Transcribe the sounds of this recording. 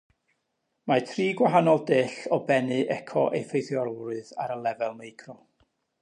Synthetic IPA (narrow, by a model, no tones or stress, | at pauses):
matʰriːɡwaɦanɔlˠdɪːɬɔbɛnɨʔɛkʰɔ̰ʔḛjfejθjɔrrɨðaɾəlˠɛvɛlˠmejkʰrɔ